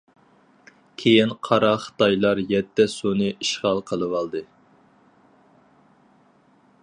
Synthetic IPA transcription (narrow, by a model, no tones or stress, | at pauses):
kʲʰejinqʰɑɾɑχə̥t̪ɑjlˠɑɾjɛt̪ːɛsunɨʔiʃʁɑlˠqʰəlˠɨwɑlˠd̪ɨ